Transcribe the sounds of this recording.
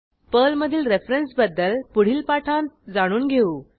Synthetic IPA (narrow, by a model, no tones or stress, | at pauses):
pəlməd̪ʱiːlɾefɾensbəd̪ːəlpuɽ̤iːlpaʈʰand͡zaɽ̃uːnɡʱeuː